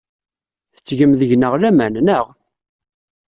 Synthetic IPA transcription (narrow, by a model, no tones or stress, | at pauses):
θə̥t͡sːʝəmðəʝnəʁlæmænnəʁ